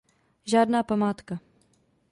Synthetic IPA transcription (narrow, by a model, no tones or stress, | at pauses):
ʒaːdnaːpamaːt̪ka